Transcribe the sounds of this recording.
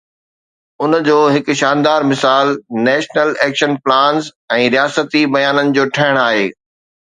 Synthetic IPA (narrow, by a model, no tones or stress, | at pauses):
ʊnd͡ʑoːɦɪk̆ʃaːnd̪aːɾmɪsaːlnɛːʃnəlɛːkʃənplãːnz | ɛ̃ːɾijaːsət̪ibɐjaːnənɪ̆d͡ʑoːʈʰɐɦɪɽ̃aːɦeː